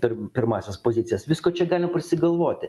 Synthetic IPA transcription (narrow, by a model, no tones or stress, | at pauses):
pʲɪɾpʲɪɾmɑːsʲɛspoːzʲɪt̪sʲɪjɛsʋʲɪskoːt͡ʃʲɛɡɑːlʲɪmɐpɐɾʲsʲɪɡɐlˠʋoːt̪ʲɪ